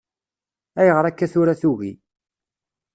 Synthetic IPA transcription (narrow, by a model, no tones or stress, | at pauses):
æjəʁəɾˤækːæθʊɾaθuɣi